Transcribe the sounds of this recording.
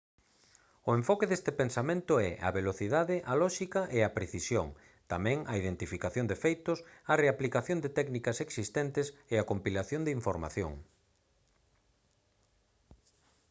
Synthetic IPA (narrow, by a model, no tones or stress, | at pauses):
ʊeɱfɔkeðest̪ɪpensamẽnt̪ʊɛʔɐ̰βeloθiðaðɪʔɐlɔʃikɐʔeɐpɾeθisjo̰ŋ | t̪amɛ̃ŋɐiðent̪ifikaθjõnd̪efejt̪ʊsɐreaplikaθjond̪ɪt̪ɛknikɐseksist̪ɛnt̪ɪseɐkompilaθjond̪ɪiɱfoɾma̰θjõ̰ŋ